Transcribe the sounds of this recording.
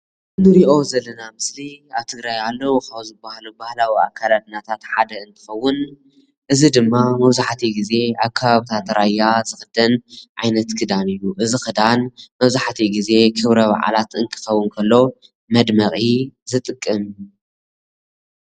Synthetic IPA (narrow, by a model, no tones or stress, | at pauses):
nɨɾiʔo̞zɐlːɐnamɨsliaβt̪ʰɨɡɾajalːowkauzɨbahalubahlawia̰kʰːalad̪ɨnat̪ʰat̪ħad̪ɐɨnt̪ʰɨ̥xɐwːʊn | ʔɨzid̪ɨmːamɐβzaħt̪ʰiɡize̞akʰːaβaβit̪ʰat̪ɾajːazɨxɨd̪ɐnʕajnɐt̪kʰɨd̪anɨjːuʔɨzixɨd̪anmɐβzaħt̪ʰiɡize̞kʰɨβɾɐβa̰ʕa̰lat̪ɨnt̪ʰɨ̥xɐwːʊnkʰɐlːo̞ | mɐd̪mɐχʼizɨt̪ʼɨkʼːɨm